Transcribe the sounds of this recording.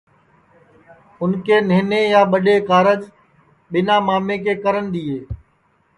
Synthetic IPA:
ʊnkeːneːneːjaːɓəɗeːkaːɾəd͡ʒ | ɓɪnãːmaːmẽːkeːkəɾənd̪iːeː

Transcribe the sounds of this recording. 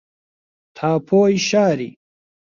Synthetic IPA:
t̪ʰaːpʰoːiɕaːɾḭ

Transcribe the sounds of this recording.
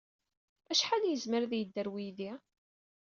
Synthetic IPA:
æʃħaljəzməɾðjəd̪ːəɾwijði

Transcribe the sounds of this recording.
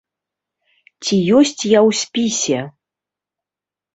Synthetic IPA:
t͡sʲijɔsʲt͡sʲjawsʲpʲisʲɛ

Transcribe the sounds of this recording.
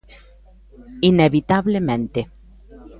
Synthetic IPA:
ineβit̪aβlemẽnt̪e

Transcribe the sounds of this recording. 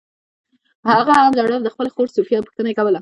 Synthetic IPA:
haɣaːnzaɽawd̪əxpəlaxoɾsufjɑpə̥xt̪ənaekawəla

